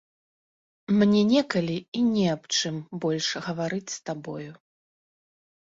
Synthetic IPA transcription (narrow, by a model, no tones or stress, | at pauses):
mnʲɛnʲɛkɐlʲiinʲɛapt͡ʂɨmbɔlʲʂɣɐvaɾɨt͡sʲst̪abɔju